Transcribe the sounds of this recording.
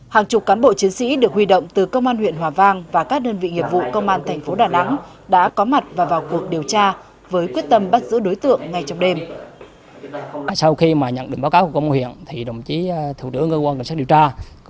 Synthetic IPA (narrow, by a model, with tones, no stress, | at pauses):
haː˨˩ŋt͡ɕʊ˨˩k͡p̚kaː˨˦nɓo̰˧˨t͡ɕi˨˦ŋ̟sḭ˧˥ɗɨ˨˩ək̚hwi˧ɗo̰˧˨wŋ͡mt̪ɨ˨˩kə˧wŋ͡mʔaː˧nhwḭ˧˨ənɦwaː˨˩vaː˧ŋvaː˨˩kaː˦˥k̚ɗəː˧nvḭ˧˨ŋi˨˩əp̚vṵ˧˨kə˧wŋ͡mʔaː˧nt̪ʰɛ˨˩ŋ̟fo˨˦ɗaː˨˩na˨˦ŋ | ɗa̰ː˧˥kɔ˨˦ma˨˩t̚vaː˨˩vaː˨˩wku˨˩ək̚ɗi˨˩əwt͡ɕaː˧ | vəː˨˦jkwi˦˥ət̚t̪ə˧mɓa˦˥t̚zɨ̰˧˥ɗo˨˦jt̪ɨ̰˧˨əŋːa˨˩jt͡ɕɔ˧wŋ͡mɗe˧m | aː˧˨jsa˧wxi˧maː˨˩ɲə̰˧˨nɗï˨˩ŋɓaː˨˦wkaː˨˦wku˧˩kə˧wŋ͡mwḭ˧˨ənt̪ʰi˨˩ɗə˨˩wŋ͡mt͡ɕi˨˦t̪ʰṵ˧˩ɨ˧˦əŋkəː˧kwaː˧ka˧˩sa˦˥k̚ɗi˨˩wt͡ɕaː˧